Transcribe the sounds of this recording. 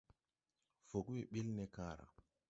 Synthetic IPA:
fo˨ki˨ɓi˦lnɛ˦kaː˦ɾa̰˨

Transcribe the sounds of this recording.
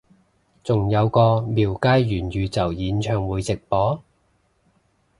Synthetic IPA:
t͡sʊ˨ŋjɐ˨˧wkɔː˧miː˨wkaː˥jjyː˨˩njyː˨˧t͡sɐ˨˩wjiː˨˧nt͡ʃʰœː˨ŋwuː˨˧jt͡sɪ˨k̚pɔː˨˥

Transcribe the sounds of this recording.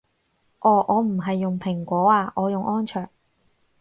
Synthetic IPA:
ʔɔː˨˩ʔɔː˨˧m̩˨˩ɦɐ˨jːʊ˨ŋpʰɪ˨˩ŋkʷɔː˨˥aː˧ʔɔː˨˧jʊ˨ŋʔɔː˥nt͡ʃʰœː˨˩ŋ̚

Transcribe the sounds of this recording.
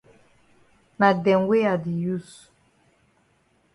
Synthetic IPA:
na˨dɛ˨ŋ˦ɡwe˦a˨di˨ju˦˨s

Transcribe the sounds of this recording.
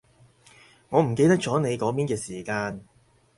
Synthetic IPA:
ŋɔː˨˧m̩˨˩ke˧jt̪ɐ˥k̚t͡sɔː˨˥ne˨˧jkɔː˨˥piː˥nkɛː˧siː˨˩kaː˧n

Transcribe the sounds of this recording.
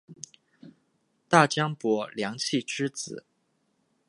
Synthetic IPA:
t̪a˥˩t͡ɕjɑ˥ŋpwɔ˧˥ljɑ˧˥ŋt͡ɕʰi˥˩ʈ͡ʂɻ̩˥t͡sɹ̩˨˩˦

